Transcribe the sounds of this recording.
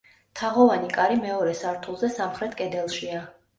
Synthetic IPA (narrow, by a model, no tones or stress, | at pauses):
t̪ʰaʁɔvanikʼaɾimɛɔɾɛsaɾt̪ʰulˠzɛsamχɾɛt̪ʰkʼɛd̪ɛlˠʃia